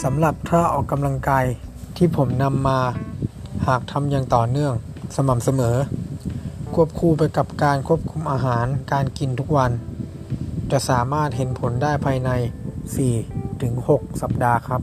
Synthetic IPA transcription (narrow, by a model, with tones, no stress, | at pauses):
sa˩˦mla˨˩p̚t̪ʰaː˥˩ʔɔː˨˩kːa˧mla˧ŋkaː˧jt̪ʰiː˥˩pʰo˩˦mna˧mːaː˧ | haː˨˩k̚t̪ʰa˧mjaː˧ŋt̪ɔː˨˩nɯ˥˩əŋ | sa˧ma˨˩m̚sa˧mɤː˩˦ | kʰu˥˩əp̚kʰuː˧pa˧jka˨˩p̚kaː˧nkʰu˦˥˩əp̚kʰu˧mʔaː˧ɦaː˩˦nkaː˧nki˧nt̪ʰu˦˥k̚wa˧n | t͡ɕa˨˩ʔsaː˩˦maː˥˩t̪̚ɦe˨˦npʰo˩˦ndaː˥˩jpʰaː˧jna˧jsiː˨˩t̪ʰɯ˩˦ŋho˨˩k̚sa˨˩p̚daː˧kʰa˦˥p̚